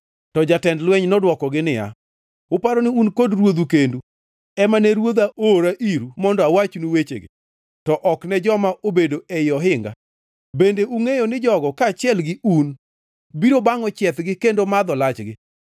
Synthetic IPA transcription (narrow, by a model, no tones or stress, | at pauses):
tɔd͡ʒatɛndlwɛɲnɔdwɔkɔɡɪnɪja̰ | ʊpaɾɔnɪunkodrwod̪ukendu | ɛmanɛɾwod̪aʔoɾaʔiɾumɔndɔawat͡ʃnuwet͡ʃḛɡɪ̰ | tɔʔɔknɛd͡ʒɔmaʔobedoejɔɦɪŋɡa̰ | bendeʔuŋejonɪd͡ʒɔɡɔkaːt͡ʃɪɛlɡɪun | biɾobaŋɔt͡ʃjɛt̪ɡɪkendomad̪ɔlat͡ʃɡɪ